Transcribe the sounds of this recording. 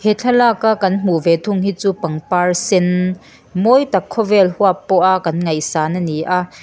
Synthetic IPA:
hɛt͡ɬʰɐlaːkakɐnm̥uvɛt̪ʰʊŋhiːt͡suːpɐŋpaːrsɪn | mɔjtɐkʰːɔvɛlhuapːɔʔaʔkɐnŋɐjsaːnɐniʔaʔ

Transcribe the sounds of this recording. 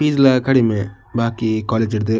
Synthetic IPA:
piːd͡ʒlɐkɐɽime | baːkikaːleːd͡ʒɪɽd̪ɯ

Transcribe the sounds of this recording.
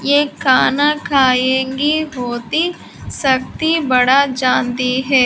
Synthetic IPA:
jeːkaːnakʰaːjẽːŋɡiɦoːt̪i | sɐk̚t̪ibɐɽad͡ʒãːnt̪iɦɛː

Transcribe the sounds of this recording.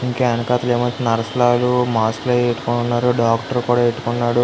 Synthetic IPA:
iŋkeɐnɐkaːt̪ɐleːmɐnt͡ʃinɐɾɐsɐlaːlumaːsklɐeʈːu̥konunːaːɾuɖaːkʈɐɾkuːɽaːeʈːu̥kunːaːɽu

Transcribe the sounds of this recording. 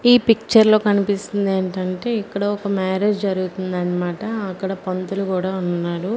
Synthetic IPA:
iːpik̚t͡ʃɐɾlo̞ːkɐnipist̪und̪e̞ːɳʈɐɳʈe̞ːikːɐɽɐɔkɐmaːɾe̞ːd͡ʒd͡ʒɐɾuɡut̪und̪ɐːnːɐmaːʈɐɐkːɐɽɐpɐnt̪ulukuːɽaːunːaːɾu

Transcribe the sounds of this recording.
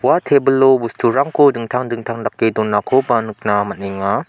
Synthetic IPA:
watʰebəlobustʰuɾaŋkodɯŋtʰaŋdɯŋtʰaŋdakːedɔnːakʰobanɯk̚namaniŋa

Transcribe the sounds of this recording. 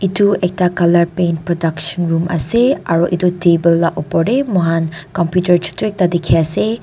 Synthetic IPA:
ituek̚takɐlɐɾpenpɾɔdɐksɐnɾumɐ̰seaɾoʔitutebelːaʔopɔɾemɔɦankɔmpjutɐɾt͡ʃu̥tuek̚tadikʰiase

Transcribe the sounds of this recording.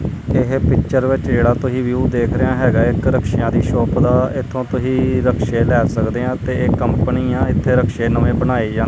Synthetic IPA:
ɪɦpɪkʃəɾʋɪt͡ʃd͡ʒeːɽaːt̪ʊsĩːʋjuːd̪eːkʰɾəjãːɦɛːɡaːɪkɾəkʃɪjãːd̪iːʃɔːpd̪aːɪt̪ʰːõːt̪ʊsĩːɾəkʃeːlɛːsəkd̪eːãːt̪eːeːkəmpəniːãːɪt̪ʰːeːɾəkʃeːnəʋẽːbənaːeːd͡ʒãːn

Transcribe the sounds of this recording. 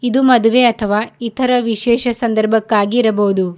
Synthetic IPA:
id̪umɐd̪uʋeɐt̪ʰɐʋaːit̪ʰɐɾɐʋiʃɛːʃɐsɐnd̪ɐɾbʱɐkːaːɡiːɾɐbɐɦud̪u

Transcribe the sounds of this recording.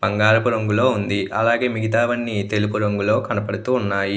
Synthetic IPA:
b̥ɐŋɡaːɾɐpuɾoŋɡulo̞ːund̪iʔɐlaːɡe̞ːmiɡit̪̬aːʋɐnːit̪e̞lupuɾoŋɡulo̞ːkɐnɐpɐɽut̪uːnːaːji

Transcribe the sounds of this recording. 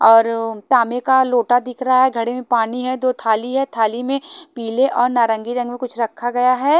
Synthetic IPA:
ɔːɾt̪aːmekaloːʈad̪ɪkʰɾɐɦaɦɛɡʱɐɽemẽpaːniɦɛd̪oːt̪ʰaːliɦɛt̪ʰaːlimẽpiːleʔɔːɾnaːɾɐ̃ŋɡiɾɐ̃ŋɡmẽkʊt͡ʃʰɾɐkʰːaɡɐjaɦɛː

